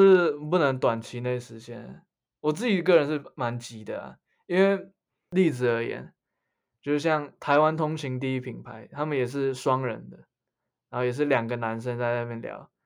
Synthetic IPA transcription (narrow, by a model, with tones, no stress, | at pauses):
ɻ̩˥˧p̬u˥˩nə˧˦ŋt̪wa˨˩nt͡ɕʰi˧˥˦ne˥˩ɪ˨˩ʂɻ̩˧˥t͡ɕjɛ˥n˩ | wɔ˨˩t͡sɹ̩˥˩t͡ɕi˨˩k̬ɤ˥˩˨ɻə˧˦nʂɻ̩˥˩ma˧˦nt͡ɕi˨˩˦d̪ə̰˨a̰˨˩ | i˦nwe˥˩ɪ | li˥˩t͡sɹ̩˨˩ə˧˥jɛ̰˨˩˦n | t͡ɕjo˥˧ʊʂ̩˥˧˩ɕjɑ˥˩ŋt̪ʰa˧˥ɪwa˦nt̪ʰʊ˥ŋt͡ɕʰi˧˥˦ŋt̪̬i˥˧i˦˥pʰi˨˩ŋpʰa˧˦ɪt̪ʰa˥mə˨jɛ˨˩ʂ̬ɻ̩˥˩ʂwɑ˥ŋɻə̰˧˦nd̪ə˨ | ɻa˨˧˦ho˥˩ʊjɛ˨˩ʂ̬ɻ̩˥˩ljɑ˨˩ŋɡə˨na˧˦nʂ̬ə˦ŋt͡sa˥˧ɪna˥˧mjɛ˥˩nljɑ̰˧˦ʊ